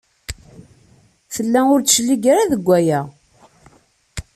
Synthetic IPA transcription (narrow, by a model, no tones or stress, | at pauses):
fəlːæʊɾʃlːiɡɾaðəɡʷːæjæ